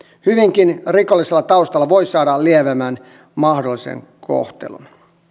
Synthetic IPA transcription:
hyʋiŋkinrikolːiselːɑt̪ɑust̪ɑlːɑʋoisɑːdɑlieʋæmæːn | mɑhdolːisḛŋ | ko̰ht̪ḛlṵn

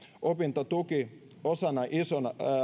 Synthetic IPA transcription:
ʔopint̪ot̪uki | osɑnɑʔisonɑ

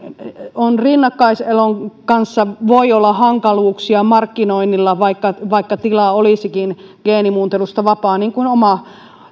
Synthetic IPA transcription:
onrinːɑkːɑiseloŋkɑnsːɑʋoiolːɑhɑŋkɑluːksiɑmɑrkːinoinːilːɑʋɑikːɑʋɑikːɑt̪ilɑolisikinɡ̥eːnimuːnt̪elust̪ɑʋɑpɑːniːŋkunomɑ

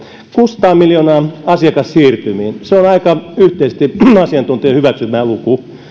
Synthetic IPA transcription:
kuːsɑ̥t̪ɑːmiljoːnɑːɑsiɑkɑssiːrt̪ymiːnseonɑikɑyht̪eist̪iɑsiɑnt̪unt̪iɑhyʋæksymæːluku

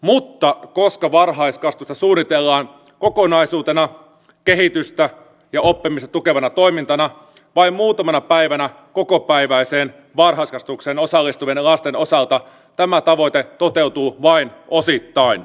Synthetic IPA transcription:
mut̪ːɑko̞skɑʋɑrɦɑiskɑst̪ust̪ɑsuːnːit̪elːɑːn | ko̞ko̞nɑisuːt̪enɑ | keɦit̪yst̪æ | jɑo̞pːimist̪ɑt̪uke̞ʋɑnɑt̪o̞imint̪ɑnɑ | ʋɑimmuːt̪ɑmɑnɑpæiʋænæ | ko̞kopæiʋæiseːn | ʋɑrɦɑiskɑst̪ukseːno̞sɑlːist̪uʋenlɑst̪e̞no̞sɑlt̪ɑ | t̪æmæt̪ɑʋo̞it̪et̪o̞t̪e̞wt̪uːʋɑinosit̪ːɑin

